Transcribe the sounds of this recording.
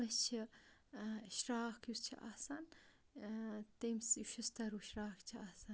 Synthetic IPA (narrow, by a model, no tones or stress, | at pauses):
mɐst͡ʃʰi | ʃɾaːkʰjust͡ʃʰiʔaːsɐn | t̪emsuʃust̪ɐɾuʃɾaːkt͡ʃʰiaːsɐn